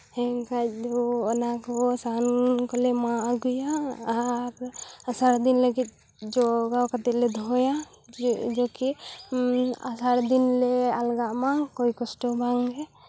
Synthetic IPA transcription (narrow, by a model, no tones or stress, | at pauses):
hɛkad͡ʒɔɔnakɔsankɔlɛmaɡujaː | ɾasaɾd̪inləɡit̪̚ | d͡ʒɔɡawkat̪ɛlɛd̪ʱɔja | d͡ʒɔki | a̰saɾd̪inlɛalɡaʔmakojkɔsʈɔbʱaŋɦɛ